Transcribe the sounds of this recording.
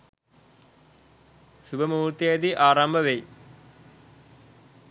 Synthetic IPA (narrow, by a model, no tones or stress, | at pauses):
subɐmuːɾt̪jɐd̪iʔaːɾambʱɐʋej